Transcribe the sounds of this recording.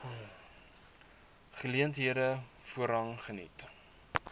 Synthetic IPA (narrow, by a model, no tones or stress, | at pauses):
χəliəntɦiədə | fuəɾɐŋχənḭt